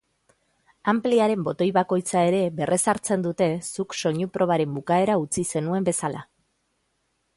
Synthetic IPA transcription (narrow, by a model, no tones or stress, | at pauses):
ampliaɾe̞mbo̞t̪o̞jβako̞jt͡sae̞ɾe̞βe̞rʔe̞saɾt͡se̞nd̪ut̪e̞sukso̞ɲupɾʔo̞β̞aɾe̞mbukae̞ɾaut͡sise̞nue̞mbe̞sala